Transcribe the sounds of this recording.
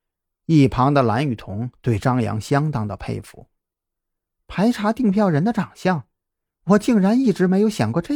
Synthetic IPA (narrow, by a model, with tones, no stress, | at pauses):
i˥˩pʰɑ˧˥ŋd̪ə˧la̰˧˥ny˨˩t̪ʰʊ˧˥ŋt̪we˥˩ɪʈ͡ʂɑ˥ŋjɑ̰˧˥ŋɕjɑ˥ŋt̪ɑ˥ŋd̪ə˨pʰḛ˥˧ɪfṵ˧˩˦ | pʰa˧˥ɪʈ͡ʂʰa˧˥t̪i˥˧ŋpʰjɑ˥˩ʊɻə˧˥nd̪ə˧ʈ͡ʂɑ˨˩ŋɕjɑ˥˩ŋ | wɔ˨˩t͡ɕi˥˩ŋɻa˧˥ni˥˩ʈ͡ʂɻ̩˧˥me˧˥ɪjo˧˥ʊɕjɑ˨˩ŋkwɔ˥˧ʈ͡ʂɤ˥˩